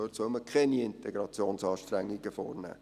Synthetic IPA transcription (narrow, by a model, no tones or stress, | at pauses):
ørtsœlməkʰχɛniɪntɛɡɾɑt͡sjoːnsɑːʃtɾæŋːiɡəfɔ̰ːrnæ̰ː